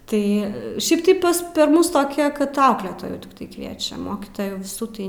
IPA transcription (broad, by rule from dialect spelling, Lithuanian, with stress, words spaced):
ˈtɐɪ ˈʃʲɛɪp tɐɪ ˈpɐs pʲɛr ˈmʊs toːˈkʲɛ kɐt ˈɐʊklʲeːtoːjuː tʲɪkˈtɐɪ ˈkʋʲiɛt͡ʃʲɛm ˈmoːkʲiːtoːjuː ʋʲɪˈsuː tɐɪ